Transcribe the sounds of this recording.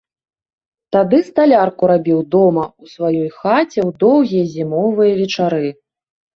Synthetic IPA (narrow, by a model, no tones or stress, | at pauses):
t̪ad̪ɨst̪alʲarkuɾabʲiwd̪ɔmɐusvajɔjxat͡sʲɛwd̪ɔwɣʲijɐzʲimɔvɨjɐvʲɛt͡ʂaɾɨ